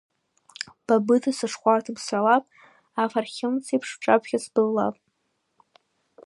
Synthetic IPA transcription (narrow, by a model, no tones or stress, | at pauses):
b̥abɨtʰasɨʂχʷartʰɨbsħʷalapʼ | afarχʲɪmt͡sʰipʰʂʈ͡ʂʼapʰʷχʲasbɨlːa̰pʼ